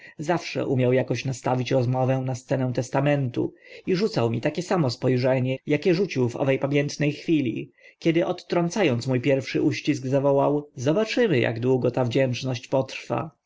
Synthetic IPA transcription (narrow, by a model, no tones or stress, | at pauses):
zafʂɛ̰ʔumʲjawjakɔɕnast̪avʲit͡ɕɾɔzmɔvɛ̃nast̪sɛnɛw̃t̪ɛst̪amɛnt̪ṵiʐut̪sawmʲit̪akʲɛsamɔspɔjʐɛɲɛjakʲɛʐut͡ɕiwvɔ̰vɛjpamʲjɛnt̪nɛjxfʲilʲḭkʲɛd̪ɘʔɔt̪ːɾɔnt̪sajɔnt̪smujpʲjɛɾfʂɘ̰ʔuɕt͡ɕisɡzavɔwawzɔbat͡ʂɘmɘja̰ɡd̪wuɡɔt̪avd͡ʑɛnt͡ʂnɔɕt͡ɕpɔt̪ɾfa̰